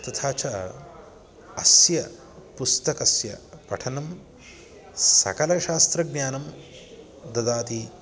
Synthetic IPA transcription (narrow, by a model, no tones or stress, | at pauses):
t̪ɐt̪ʰaːt͡ʃɐ | ɐsjɐ | pust̪ɐkɐsjɐ̰pɐ̰ʈʰɐnɐm | sɐ̰kɐlɐʃaːst̪ɾɐɡnʲjaːnɐm | d̪ɐd̪aːt̪i